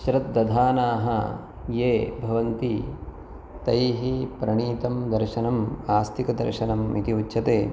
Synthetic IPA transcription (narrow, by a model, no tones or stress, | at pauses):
ʃɾɐt̪̚d̪ɐd̪ʱaːnaːɦɐ | jeːbʱɐʋɐnt̪i | t̪ɐjɦipɾɐɳiːt̪ɐmd̪ɐɾʃɐnɐmaːst̪ʰikɐd̪ɐ̰ɾʃɐnɐmit̪iutːʃʰɐt̪eː